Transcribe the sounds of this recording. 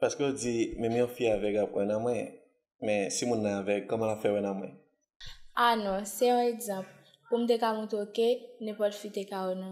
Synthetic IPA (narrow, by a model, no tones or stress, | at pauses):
paskøod͡zimɛ̃mjɔ̃fiavɛɡapɛ̰̃nãmwɛ̃ | mɛ̃simũnːãavɛkkːɔmãlapfɛwɛ̃nãmwɛ̰̃ | anɔ̃sɛɔ̃eɡzɑ̃pl | pum̩t̪̬ekamũt̪okenɛ̃pɔtfit̪ekaonã